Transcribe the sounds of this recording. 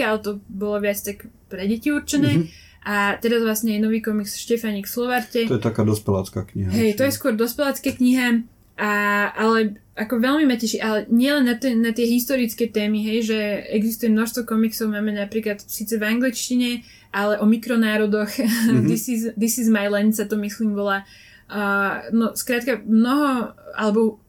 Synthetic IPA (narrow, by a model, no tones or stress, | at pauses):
alt̪ɔbɔlɔʋɪat͡st̪akpɾɛɟɛciuɾt͡ʃɛnɛː | ʔat̪ɛɾazʋlˠasɲɛjɛnɔʋiːkɔmiksfʃcɛfaɲiːkslɔʋaɾtɛɔjɛt̪akaːd̪ɔspɛla̰t͡ska̰ːkɲḭɦaɦɛjt̪ɔjɛskʊɔɾd̪ɔspɛlat͡skaːkɲiɦa | ʔaʔalɛ | akɔʋɛlmimacɛʃiʔalɛɲɪɛlɛnːat̪ɛnat̪ɪɛɦist̪ɔɾit͡skɛt̪ɛːmiɦɛjʒɛɛɡzist̪ujɛmnɔʃst̪ʋɔkɔmiksɔʊmaːmɛnapɾiːklat̪siːt͡sɛvaŋɡlit͡ʃciɲɛ | ʔalɛʔɔmikɾɔnaːɾɔd̪ɔxd̪isizd̪isizmajlɛnsat̪ɔmisliːmʋɔlaː | əːnɔskɾaːt̪kamnɔɦɔa̰lɛbɔ